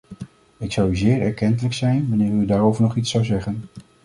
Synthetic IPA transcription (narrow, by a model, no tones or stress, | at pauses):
ɪksɑwyzɪːɹɛɹkɛntələksɛjnʋanɪːɹkydaːɹowvəɹnɔχitsɑwzɛχən